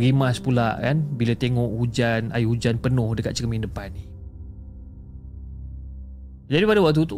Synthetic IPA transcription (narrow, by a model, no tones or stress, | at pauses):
ɣimaspula̰ʔkanbilat̪eŋɔʔhud͡ʒana̰jhud͡ʒanpənʊhdəkat̪̚t͡ʃəkmindəpani | d͡ʒadipadawak̚t̪ut̪